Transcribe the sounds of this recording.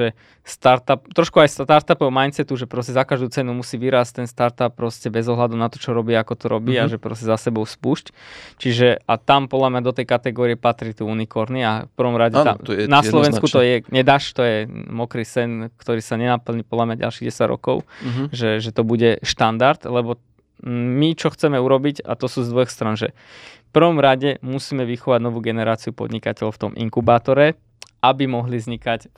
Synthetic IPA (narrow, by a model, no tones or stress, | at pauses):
ʒɛ | st̪aɾt̪ap̚t̪ɾɔʃkuajst̪aɾt̪apɔʊmajnt͡sɛt̪uʒɛpɾɔscɛzakaʒd̪uːt͡sɛnumusiːʋiɾaːsc̚t̪ɛnst̪aɾt̪ap̚ːɾɔscɛbɛzɔɦlad̪unat̪ɔt͡ʃɔɾɔbiːakɔt̪ɔɾɔbiːaʒɛpɾɔ̰scɛzasɛbɔʊspuʃct͡ʃiʒɛat̪ampɔd̪lamɲad̪ɔt̪ɛjkat̪ɛɡɔːɾiɛpat̪ɾit̪uunikɔɾniafpr̩ʋɔmɾaɟɛa̰ɛnaslɔʋɛnskut̪ɔjɛɲɛd̪aʃt̪ɔjɛmɔkɾiːsɛnkt̪ɔɾiːsaɲɛnapl̩ɲipɔd̪lamɲaɟa̰lʃiɣɟɛsaɟɾɔ̰kɔʊʒɛʒɛt̪ɔbuɟɛʃt̪and̪aɾt̪lɛbɔ | mit͡ʃɔxt͡sɛmɛuɾɔbiɟa̰t̪ɔsuːzd̪ʋɔxst̪ɾanʒɛ̰ | fpr̩ʋɔmɾaɟɛmusiːmɛʋixɔʋaɟnɔʋuːɡɛnɛɾaːt͡siupɔ̰d̪ɲikacɛʎɔʊft̪ɔmʔḭŋkubaːt̪ɔɾɛ | ʔabimɔɦlizɲikac